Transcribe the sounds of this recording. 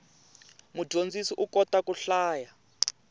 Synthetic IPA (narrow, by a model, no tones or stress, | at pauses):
mu̥ʒʱond͡zisiʔukɔtakuɬaːja